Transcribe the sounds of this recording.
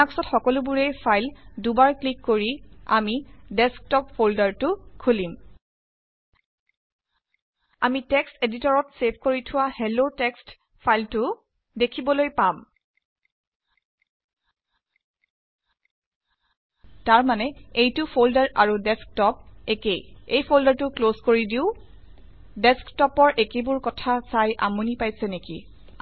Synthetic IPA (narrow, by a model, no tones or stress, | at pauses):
aksɔtxɔkɔlʊbuɹejpʰajldubaɹklikːoɹiamidɛsk̚tɔpfoldaɹtʊkʰulim | amitɛksteditɔɹɔtsepʰkoɹitʰʊwahelotɛkst | pʰajltʊ | dekʰibɔlojpam | taɹmanɛejtʊpʰoldaɹʔaɹudɛsk̚tɔp̚ekejejpʰoldaɹtʊkloskoɹidiʊ | dɛsktɔpɔɹʔekebʊɹkɔtʰasajʔamunipajsɛnekḭ